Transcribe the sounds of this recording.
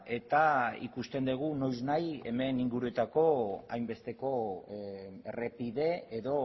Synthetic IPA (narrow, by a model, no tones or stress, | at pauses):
e̞t̪aḭkust̪e̞nd̪eɣ̞uno̞jznaje̞̰me̞niŋɡuɾue̞t̪ako̞a̰jmbe̞st̪e̞ko̞ | erepiðe̞eðo̞